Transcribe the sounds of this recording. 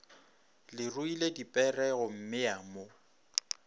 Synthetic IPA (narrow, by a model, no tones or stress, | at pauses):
lɪrʊiledipʼɛrɛɣʊm̩mɪaːmo